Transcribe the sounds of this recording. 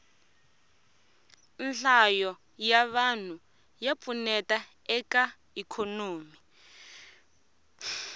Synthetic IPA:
nɬajɔ | jaβan̤u | jap̪funɛtʼa | ɛka | ikʰɔnoːmi

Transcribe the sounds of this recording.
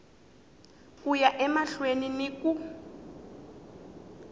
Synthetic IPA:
kujaʔɛmaɬweniniku

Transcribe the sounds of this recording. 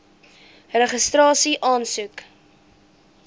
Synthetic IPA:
rəχəstrɑːsiʔɑːnsʉk

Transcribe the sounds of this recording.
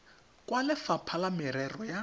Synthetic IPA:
kʼwalɪfapʰalamɪɾɛrɔja

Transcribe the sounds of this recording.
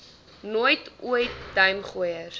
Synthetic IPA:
nuəjtuəjtːɐjmχuəjəɾ

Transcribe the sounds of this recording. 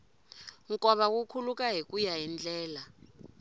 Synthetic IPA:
ŋkʼɔɓak̬ukʰuluk̬ʼaɦik̬ʼujaɛnd͡ɮɛːla

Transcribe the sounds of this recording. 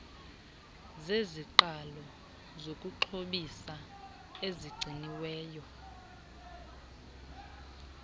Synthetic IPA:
zeziǃalɔ | zokʼuǃʰoɓisa | eziɡ͡ǀʱiniwɛːjɔ

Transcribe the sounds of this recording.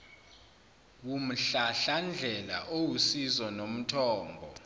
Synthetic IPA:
wum̩ɬaɬand͡ɮʱɛla̰ʔowusizɔnom̩tʰɔːmbʱɔ

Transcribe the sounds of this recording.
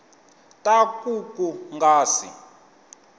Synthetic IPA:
tʼakʼukʼuŋɡaːsḭ

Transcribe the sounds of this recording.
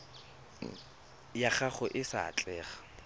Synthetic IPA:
jaχaχʊʔɪsa̰ːt͡ɬʼɛːχḁ

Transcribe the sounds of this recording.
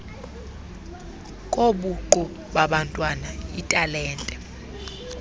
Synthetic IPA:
kʼoɓuǃu | ɓaɓantʼwanaitʼalɛːntʼɛ

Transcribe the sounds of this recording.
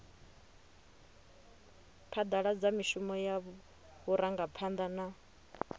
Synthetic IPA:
pʰad̪aɺad͡zamiʃumɔjaβ | βuɾʔaŋɡapʰand̪ana

